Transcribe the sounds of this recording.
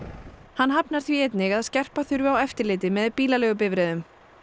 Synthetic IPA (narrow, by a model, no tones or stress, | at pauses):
hanːɦapnaɾ̥θviɛt̪nɪɣaðscɛr̥paθʏɾvʏawɛft̪ɪɾlɪːt̪ɪmɛðpiːlalɛːɣʏp̬ɪvɾɛðʏm